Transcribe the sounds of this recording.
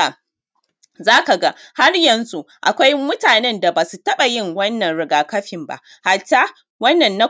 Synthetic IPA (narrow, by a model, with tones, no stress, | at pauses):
a˨ | zaː˦ka˨ɡa˦ha˦rjɐ˨nzu˦ | ʔa̰˨kʷa˦jmʊ˦taː˨nɛ˦nda˨ba˨su˨tɐ˦ɓa˨jɪ˦˨ŋwɐ˦nːɐ˨nɽɪ˨ɡaː˨kɐ˦ɸɪ˨mba̰˦ | ha˨t͡ʃːa˦ | wɐ˦nːɐ˨nːa˦